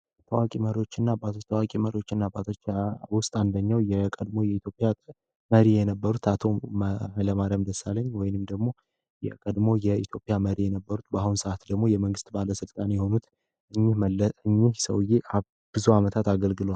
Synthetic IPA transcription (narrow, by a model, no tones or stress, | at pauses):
ɛt̪ʰəwakʼiməɾio̞t͡ʃːɪnːabat̪ʰot̪ʰəwakʼiməɾio̞t͡ʃːɪnːabat̪ʰot͡ʃːwʊst̪ʼand̪əɲːawjɛkʼəd̪mo̞jɛit̪jo̞pʼːja | məɾijɛnəbːəɾut̪ʰat̪ʰo̞mhləmaɾəmd̪əsːalːəɲːwɔjɪnɨmd̪əɡmo̞ | jɛ̰kʼəd̪mo̞jɛit̪ʰjo̞pʼjaməɾijɛnəbːəɾut̪bəahunsəʔat̪d̪əɡmo̞jɛməŋɡɨst̪baləsɨlt̪ʼanjɛho̞nut̪ | ʔɨɲːɪhɨɲːɪhsə̰wjeʔa | b̥ɨzuamət̪ʰat̪aɡəlɡɨlowal